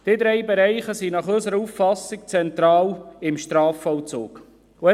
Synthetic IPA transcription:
d̥ɪd̪ɾɛɪbɛɾɛɪχəsinɑχɵsəɾəuffɑsːɪk̚t͡sɛnt̪ɾɑːlɪmʃt̪ɾɑːfɔwt͡so̰ːk | ʊɛ

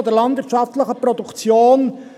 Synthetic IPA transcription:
ɔd̪əɾlɑndvɪːɾtt͡ʃɑft̪ləχəpɾɔd̪ukt͡sjoːn

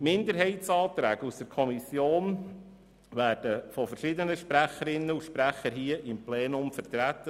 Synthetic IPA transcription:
mɪnd̪əɾɦɛɪtsɑːt̪ɾæːɡusd̥əɾkʰɔmisjoːn | ʋæːɾd̥əfɔfəɾʃɪd̪ənəʃpɾæχəɾɪnːəuʃpɾæχəɾɦiːəʔɪmpleːnʊmfəɾt̪ɾæt̪ːə

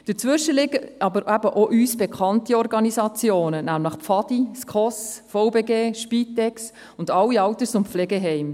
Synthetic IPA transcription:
d̥əɾt͡sʋʏʃəlɪɡəɑbəɾʔæbəʔoʔyːsb̥ekχɑntiɔɾɡɑnisɑt͡sjoːnənæmləχpfɑd̥iskχɔsfɔʊbeɡeːʃpiːtɛks | ʊndɑlːiɑwtət͡sʊmflɛɡeɦɛɪm

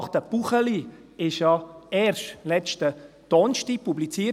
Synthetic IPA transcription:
χt̪əb̥uχəliɪʃjɑɛːɾʃlɛt͡ʃtə | d̥ɔnʃtipublit͡siː

